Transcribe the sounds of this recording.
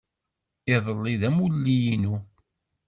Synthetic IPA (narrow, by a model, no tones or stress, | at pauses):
ɪðˤəlːiðæmulːijinu